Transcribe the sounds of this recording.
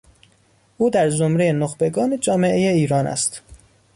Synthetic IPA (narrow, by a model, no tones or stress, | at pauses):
ʔuːd̪æɾzomɾejenoxbe̞ɡɒːned͡ʒɒːme̞ʔejeiːɾɒːnæ̰st̪